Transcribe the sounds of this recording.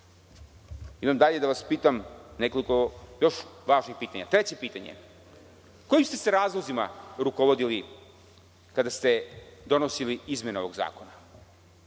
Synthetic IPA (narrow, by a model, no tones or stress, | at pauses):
imamd̪aʎe̞d̪aʋaspiːt̪amne̞ko̞liko̞jo̞ʃʋaːʒnixpiːt̪aɲa̰t̪ɾet͡ɕe̞piːt̪aɲḛ | ko̞jimst̪e̞seɾaːzlˠozimaɾukoʋo̞d̪ili | kad̪ast̪e̞d̪o̞no̞siliizme̞neo̞ʋo̞ɡza̰ːkona